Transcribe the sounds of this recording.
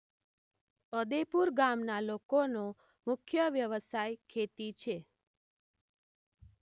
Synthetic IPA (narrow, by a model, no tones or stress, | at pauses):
əd̪epuɾɡamnalokono | mʊkʰjəʋjəʋəsajkʰet̪it͡ʃʰe